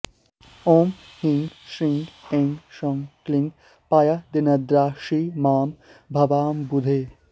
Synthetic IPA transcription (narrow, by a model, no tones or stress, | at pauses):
oːm | hiŋɡʃɾiŋɡẽŋʃɔŋkliŋɡ | pajɐd̪enɐd̪ɾaːʃimaːm | bʱɐbaːmbud̪ʱeː